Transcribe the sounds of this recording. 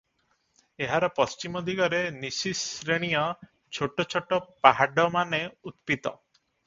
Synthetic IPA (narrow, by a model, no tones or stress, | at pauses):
eɦaɾɔpɔst͡ʃimɔd̪ʱiɡɔɾenisisɾeɽ̃ijɔ | t͡ʃʰoʈɔt͡ʃʰoʈɔpaɦaɖɔmaneut̪pit̪ɔ̰